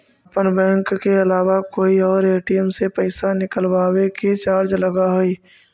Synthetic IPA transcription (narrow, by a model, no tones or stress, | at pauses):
əpənbɛ̃ːŋkːeɐlaːwakoːiɔːɾeːʈiəmsepəɪsanɪkəlwaːweket͡ʃaːɾd͡ʒləɡaɦoiː